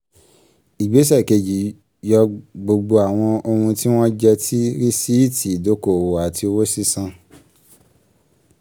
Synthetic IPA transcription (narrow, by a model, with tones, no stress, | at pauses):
i˨ɡ͡be˨˦s̬ɛ˦˨ke˨d͡ʒi˨˦ | jɔ˧ɡ͡bo˧ɡ͡bo˧a˨w̃ɔ̃˧o˧hũ˧ti˦w̃ɔ̃˦d͡ʒɛ˧tʰi˦ɾi˦si˦i˦˨tʰi˨do˨˦ko˨wo˨a˨ti˧o˧wo˦si˦sã˧